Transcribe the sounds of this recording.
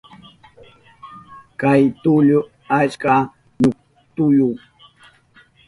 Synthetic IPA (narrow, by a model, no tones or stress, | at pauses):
kajt̪ʊʎʊ | at͡ʃka | ɲʊk̚ | t̪ʊjʊŋ